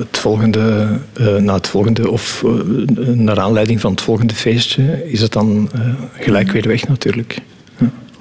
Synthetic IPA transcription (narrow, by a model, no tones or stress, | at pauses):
ətfɔlˠɣəndə | naːətfɔlˠɣəndəɔf | naːɾaːnlɛjdɪŋvɑnɦətfɔlˠɣəndəveːstəɪzət̚dɑnəɣəlɛjkʋɪːrʋɛxnatyːrlək | ha